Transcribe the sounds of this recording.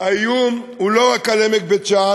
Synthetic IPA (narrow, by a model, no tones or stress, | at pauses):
ajum | uloakalemek̚bett͡ʃa